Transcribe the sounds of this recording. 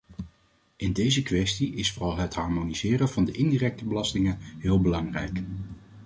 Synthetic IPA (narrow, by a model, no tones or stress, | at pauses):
ʔɪndejzəkʋɛstiʔɪsfʊrɑlˠɦətɦɑɹmonizɪːrənvɑndəʔɪndiːrɛk̚təbəlɑstɪŋənɦɪːlˠbəlɑŋrɛ̰jk